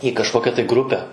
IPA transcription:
iː kɐʃˈkoːkʲɛ tɐɪ ˈɡrʊpʲɛ

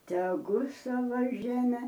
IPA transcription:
tʲɛˈɡʊ ˈsɑːʋɐ ˈʒʲæːmʲɛ

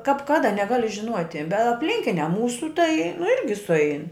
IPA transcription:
kɐp ˈkɑːdɐ nʲɛˈɡɑːlʲɪ ʒʲɪˈnuɔtʲɪ bʲɛ ɐpʲˈlʲɪŋʲkʲɪnʲɛ ˈmuːsʊ tɐɪ nʊ ˈɪrʲɡʲɪ sʊˈɛɪn

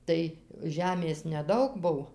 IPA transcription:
ˈtɐɪ ˈʒʲæːmʲeːs nʲɛˈdɐʊk ˈbʊw

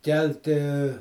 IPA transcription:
ˈkʲɛlʲtʲɪ

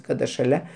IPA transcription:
ˈkɑːdɐ ʃɐˈlʲɛ

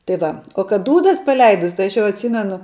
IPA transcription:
tɐɪ ˈʋɐ oː kɐt ˈduːdɐs pɐˈlʲɛɪdʊs ˈtɐɪ ɐʃ jɛʊ ɐtʲˈsʲiːmʲɛnʊ

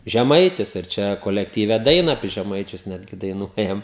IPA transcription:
ʒʲɛˈmɐɪtʲɪs ɪr ˈt͡ʃʲɛ koːlʲɛktʲiːˈʋʲɛ ˈdɐɪnɐ ɐpʲiɛ ʒʲɛˈmɐɪt͡ʃʲʊs ˈnʲæːdʲɡʲɪ dɐɪˈnuɔjɛm

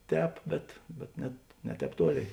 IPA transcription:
ˈtʲɛːp bʲɛt bʲɛt ˈnʲɛt nʲɛ ˈtʲɛːp ˈtuɔˌlʲeːɪ

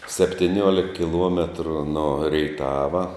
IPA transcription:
sʲɛpʲtʲɪˈnʲuɔlʲɪk kʲɪˈlˠuɔmʲɛtrʊ noː rʲɛɪˈtɑːʋɐ

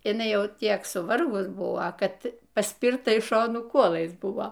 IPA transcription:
ɪˈnɐɪ ˈjɛʊ ˈtʲiɛk sʊˈʋɐrɡʊs ˈbʊʋoː ˈkɐt pɐˈsʲpʲɪrtɐ ɪʃ ˈʃoːnuː ˈkuɔlˠɐɪs ˈbʊʋoː

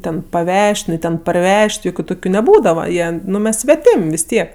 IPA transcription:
ˈtʲɛn pɐˈʋʲɛʃʲtʲ ˈnʊ ˈtʲɛn pɐrʲˈʋʲɛʃʲtʲ ˈjoːkʲʊ ˈtoːkʲʊ nʲɛˈbuːdɐʋɐ ˈjiɛˈnʊ ˈmʲɛs sʲʋʲɛˈtʲɪmʲ ʋʲɪs ˈtʲiɛk

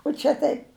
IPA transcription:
ʊ ˈt͡ʃʲɛ tɐɪp

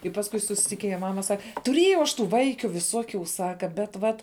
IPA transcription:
ɪ pɐsˈkʊɪ sʊsʲɪtʲɪkʲɪˈnʲeːjɛ ˈmɑːmɐ ˈsɐk tʊˈrʲiɛjɛʊ ɐʃ ˈtuː ˈʋɐɪkʲʊ ʋʲɪˈsuɔkʲuː ˈsɑːkɐ bʲɛt ˈʋɐt

